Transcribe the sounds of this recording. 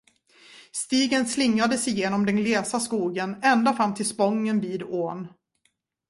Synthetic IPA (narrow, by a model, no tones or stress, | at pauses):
st̪iːɡənslɪŋːad̪əsɪjeːnɔmd̪ɛnleːsaskuːɡənɛnd̪afɾamːt̪ʰɪlspɔŋːənviːd̪oːn